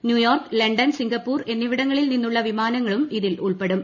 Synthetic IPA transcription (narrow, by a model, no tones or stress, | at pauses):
njuːjoːrkɨlɐɳɖɐnsiŋɡɐpːuːre̞nːiʋiɽɐŋːɐɭilninːuɭːɐʋimaːnɐŋːɐɭumiðilʔuɭpe̞ɽum